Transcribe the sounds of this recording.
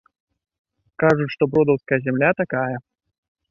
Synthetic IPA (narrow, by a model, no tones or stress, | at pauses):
kaʐut͡ɕʲʂt̪ɔbɾɔd̪ɐwskɐjɐzʲɛmlʲat̪akajɐ